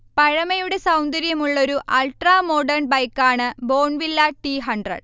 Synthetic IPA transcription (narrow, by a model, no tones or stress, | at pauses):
pɐɻɐmɐjuɽe̞sɐwnd̪ɐɾjɐmuɭːo̞ɾuʔɐlʈraːmoɖɐrnbɐjkːaːɳɨbo̞ːɳʋilːɐʈiɦɐɳɖrɐ̰ɽ